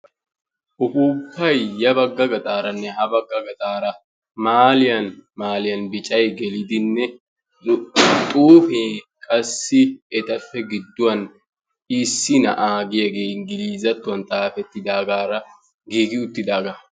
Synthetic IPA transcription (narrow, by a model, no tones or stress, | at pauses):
ʔʊfuːkʰːɐjjɐbɐɡːɐɡɐt̪ʼaːɾɐnːɛhɐbɐɡːɐɡɐt̪ʼaːɾɐ | maːlɪjɐnmaːlɪjɐnbɪt͡ʃʼɐjɡɛlɪd̪ɪnːɛ | t̪ʼuːfeː | kʼɐsːɪɛt̪ɐfːɛɡɪd̪ːʊwɐn | ɪsːɪnɐʔaːɡɪjɐɡeːnɡɪliːzɐt̪ːʊwɐnt̪ʼaːfɛt̪ːɪd̪aːɡaːɾɐ | ɡiːɡɪʊt̪ːɪd̪aːɡɐ